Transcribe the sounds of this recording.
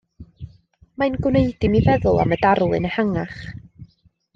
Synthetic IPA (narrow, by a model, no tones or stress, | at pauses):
maɨnɡwneɨdɪmivɛðʊlˠa̰mədarlˠɨ̰nəhaŋaχ